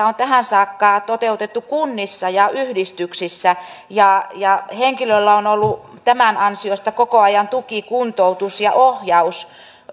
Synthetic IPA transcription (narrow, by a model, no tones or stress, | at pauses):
ont̪æhænsɑːkːɑːt̪ot̪eut̪et̪ːukunːisːɑjɑʔyhdist̪yksisːæjɑjɑheŋkilølːæonolːu | t̪æmænɑnsiost̪ɑkokoɑjɑnt̪ukikunt̪out̪usjɑ̰ʔohjɑus